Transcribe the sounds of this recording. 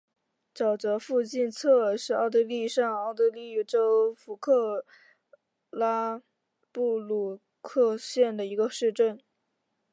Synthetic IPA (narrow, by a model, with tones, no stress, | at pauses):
t͡sɑ˨˩ʊt͡sɤ˧˥fu˥˧t͡ɕi˥˧nt͡sʰɤ˥˧ʂɻ̩˥˧ɑ˥˧ʊt̪ɤ˧˥li˥˧ʂɑ˥˧ŋɑ˥˩ʊt̪ɤ˥˧li˥˩y˨˩ʈ͡ʂo˥ʊfu˧˥kʰɤ˥˩˧ | la˥ | pu˥˩lu˥˩ | kʰɤ˥˧ɕjɛ˥˩nd̪ə˩i˧˥ɡə˧ʂɻ̩˥˧ʈ͡ʂə˥˩n